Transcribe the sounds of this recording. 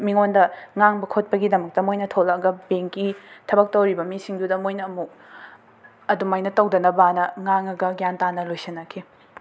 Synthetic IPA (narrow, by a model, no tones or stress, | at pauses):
miŋondɐŋaŋbɐkʰot̚pɐɡidɐmɐk̚tɐmojnɐtʰolɐɐɡɐbeŋkitʰɐbɐk̚tɐwɾibɐmisiŋdudɐmojnɐːmuk | ɐdumajnɐtɐwdɐnɐbanɐŋaŋɐɡɐɡjantanɐlojsinːɐkʰi